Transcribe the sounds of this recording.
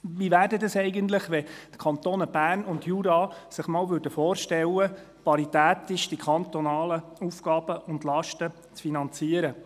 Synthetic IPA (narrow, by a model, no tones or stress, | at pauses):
ʋiʋæːɾdɛdɑsɛɪɡənt̪ləχʋɛt̪kʰɑnt̪oːnəb̥æːrnʊndjuːɾɑsɪχmɑːlʋʉːɾdəfoːɾʃtɛlə | pɑɾit̪æːt̪ɪʃd̥ikʰɑnt̪ɔnɑːləufɡ̥ɑːb̥əʔʊndlɑʃtə | t͡sfinɑnt͡siːəɾə